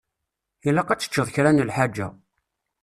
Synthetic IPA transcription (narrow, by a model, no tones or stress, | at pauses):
ilːæqæt͡sːə̥t͡ʃːəðˤçɾænəlħad͡ʒːæ̰